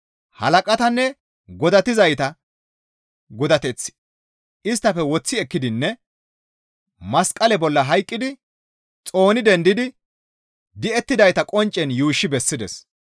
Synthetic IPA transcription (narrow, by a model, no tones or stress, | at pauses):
hɐ̰lɐkʼɐt̪ɐnːɛ | ɡɔd̪ɐt̪ɪzɐjt̪ɐ | ɡɔd̪ɐt̪ɛt͡sː | ʔɪs̬t̪ːɐfɛwɔt͡sːɪɛkːɪd̪ɪnːɛ | mɐskʼɐlɛbɔlːɐɦɐjkʼːɪd̪ɪ | t͡sʼo̞ːnɪd̪ɛnd̪ɪd̪ɪ | d̪ɪɛt̪ːɪd̪ɐjt̪ɐkʼɔnt͡ʃʼːɛnjuːʃːɪbɛsːɪd̪ɛ̰s